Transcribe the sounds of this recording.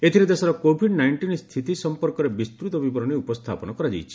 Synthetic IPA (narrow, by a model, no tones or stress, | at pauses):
et̪ʰiɾed̪esɔɾɔkobʱiɖnajɳʈinst̪ʰit̪isɔmpɔɾkɔɾebist̪ɾut̪ɔbibɔɾɔniupɔst̪ʰapɔnɔkɔɾad͡ʒa̰jt͡ʃʰi̥